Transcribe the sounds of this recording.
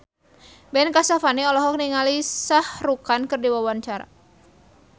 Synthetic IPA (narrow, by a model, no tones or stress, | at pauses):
bɛnkasafaniɔlɔɦɔk̚niŋalisahrukankərdiwawaɲt͡ʃaɾa̰